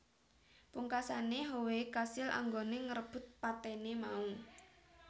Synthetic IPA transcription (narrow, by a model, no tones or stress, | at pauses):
puŋkasaneɦowekasɪlʔa̰ŋɡoneŋəɾəb̥ʊ̤t̪̚pat̪enemau